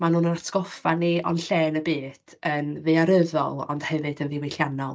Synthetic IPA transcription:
manuːnənatʰɡ̥ɔfaniɔ̰nɬeːnəbɨːd̥ənvɨaɾəðɔ̰lˠɔ̰nd̥hɛvɨdənvɪwejɬjanɔlˠ

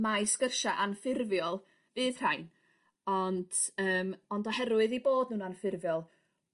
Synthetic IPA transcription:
majsɡərʃaʔanfɪrvjɔlˠ | vɨːð̥r̥ajn | ɔnd̥əːmɔndɔhɛɾwɨðiboːdnuːnanfɪrvjɔlˠ

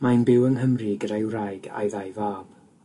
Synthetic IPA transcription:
manbɪwənɦəmriɡədajwrajɡa̰jðajvaːb̥

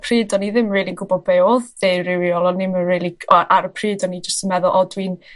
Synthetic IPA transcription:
pʰriːdɔniðɪmriːlˠinɡʊbɔbɛɔðːerɪwiɔlˠɔnɪməriːlˠiɔʔaɾəpʰriːdɔnid͡ʒəstəmɛðʊlˠʔɔdwin

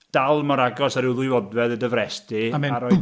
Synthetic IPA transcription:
d̥alˠmɔɾaɡɔsaɾɪwðʊjvɔdvɛðədəvɾɛstimaɾɔj

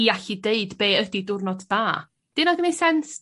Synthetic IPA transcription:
iaɬideɨdbeːədidʊrnɔdːaː | d̥ɪnɔɡənejsɛns

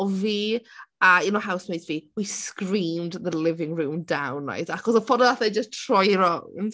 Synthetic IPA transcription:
viːainohawsmetv̥iːwiskriːmdðəlɪvɪ̃ŋruːmdawnːa̰jdaxɔsɔfɔdɔðaθɛd͡ʒəstʰr̥ɔjɾɔnn

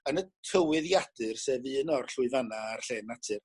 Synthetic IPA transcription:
ənətʰəwɪðjad̥ɨrsɛvɨənɔrɬʊɨðanaːrɬɛnatʰɨr

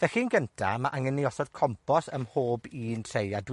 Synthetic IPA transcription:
vɛxiːnɡəntʰamaʔaŋəniɔsɔd̥kʰɔmpʰɔsəmhoːbiːntʰrejadw

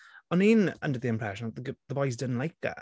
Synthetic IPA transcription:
ə̃ninʌ̰̃ndəðiɪ̃mpʰɹ̥ɛʃə̃nðəʔðəɡðəbɔɪzdɪdⁿn̩ʔlaɪk̚ða̰ʔ

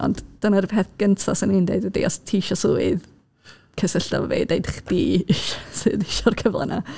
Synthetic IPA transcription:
ɔ̰ndd̥ənarpɛθɡ̥əntʰɔsɪnɪndḛdədḭɔstʰiʃɔsuːɨð | kʰəsəɬta̰vɔvḛdejdχd̥iːɪʃsɨðɪʃɔrkʰəvlˠa̰nʔa̰

